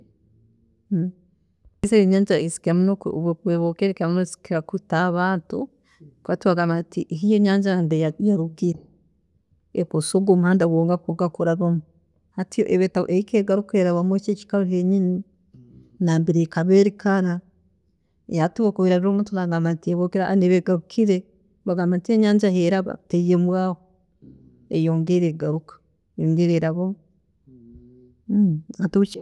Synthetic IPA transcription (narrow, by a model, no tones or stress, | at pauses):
iseiɲaːɲd͡ʒaisi̥kamunokkeβokeɾekamunosi̥kiakutaβaːntu | katuaɡamatiʔɦijoɲaːɲd͡ʒandejajaɾuɡiɾe | eposoɡomhandawoːŋɡakoɡakoɾaɾomu | hatijoʔeβetaβ̰ʔeikeːɡaɾukeɾaβamot͡ʃeci̥kaβaɦeɲini | naːmbiɾekaβeɾikaɾa | jatuβokoβiɾaɾɾomutulaŋɡamantieβokiɾaneβeɡaɾukʰiɾe | βaɡamantieɲaːɲd͡ʒaheɾaβa̰teijemwaːho | ḛjoːŋɡeɾeɡaɾukḁ | joːŋɡeɾeɾaβomu | atuu